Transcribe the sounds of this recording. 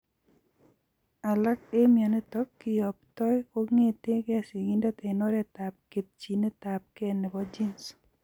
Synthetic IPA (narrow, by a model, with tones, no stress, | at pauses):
a˨la˦ke˦mja˨ne˦t̪ɔkːɪ˨jɔ˨p̚t̪ɔ˦jko˦ŋe˦t̪e˦ka˨si˨ɡi˦nda˦t̪e˨no˦ɾe˦t̪a˨p̚ke˨t̪̚t͡ʃi˨ne˦t̪a˨p̚ke˦˨ne˨bɔd͡ʒi˦ns